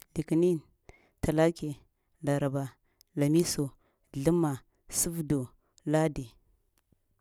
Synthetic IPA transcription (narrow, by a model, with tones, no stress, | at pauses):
li˨ki˨ni˦n | tʰa˨la˦ke˨ | na˨ɾa˨ba˨ | la˨mi˦so˨ | ɮu˦mːa˨ | su˦vdu˨ | la˦di˨